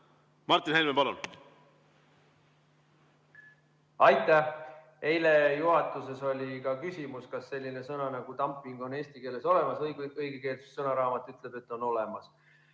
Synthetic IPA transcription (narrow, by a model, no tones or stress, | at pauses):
mɑrt̪ːˑinhelmepɑlṵn | ɑjt̪ːˑæh | e̞jle̞juɦɑt̪ːˑuse̞so̞lʲikɑkysʲimuskɑsːe̞lʲːine̞sɤnɑnɑɡ̥ut̪ɑmpːˑiŋɡ̥o̞ne̞ːsʲt̪ike̞ːle̞so̞le̞mɑsɤjɡɤjɡ̥eke̞ːlt̪su̥ssɤnɑɾɑːmɑt̪ːˑyt̪ˑle̞b̥e̞t̪ːˑo̞no̞lemɑs